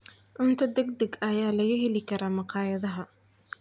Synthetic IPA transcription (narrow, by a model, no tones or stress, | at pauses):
ʕʊnt̪ʰɐd̪ɛɡd̪ɐɡɐjaːlɐɣɐɦɛlɪkʰɐɾaːmɑqʰɑːjɐðɐɦɐ